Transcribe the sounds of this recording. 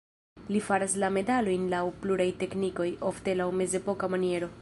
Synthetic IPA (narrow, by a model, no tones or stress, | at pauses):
lifaɾaslame̞dalo̞jnlawpluɾajte̞kniko̞jʔo̞fte̞lawme̞ze̞po̞kamanie̞ɾo̞